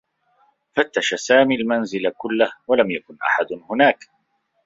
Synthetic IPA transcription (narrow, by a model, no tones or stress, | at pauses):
fat̪ːaʃasaːmiːalmanzɪlakʊlːahwalamjakʊnʔa̰ħad̪hʊnaːk